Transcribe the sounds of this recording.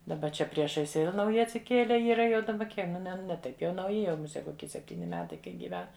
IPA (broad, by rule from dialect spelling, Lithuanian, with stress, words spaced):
dɐˈbɐ ˈt͡ʃʲɛ ˈpʲrʲiɛʃɐɪs ˈʋʲɛlˠ nɐʊˈjɪ ɐtʲsʲɪˈkʲiɛlʲɛ ˈiːrɐ jɛʊ dɐˈbɐ ˈkʲiɛ ˈnʲɛ nʲɛ ˈtɐɪp jɛʊ nɐʊˈjɪ ˈjɛʊ mʊˈsʲɛ koːˈkʲɪ sʲɛpʲˈtʲiːnʲɪ ˈmʲæːtɐɪ ˈkɐɪ ɡʲiːˈʋʲɛn